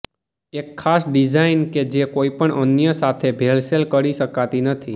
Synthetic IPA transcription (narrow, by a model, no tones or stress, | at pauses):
ekʰːasɖid͡ʒainked͡ʒekoipəɳə̰njəsat̪ʰebʱelselkəɾiʃəkat̪inət̪ʰi